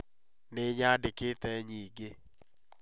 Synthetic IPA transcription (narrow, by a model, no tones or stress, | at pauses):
neɲadeketɛɲiɡe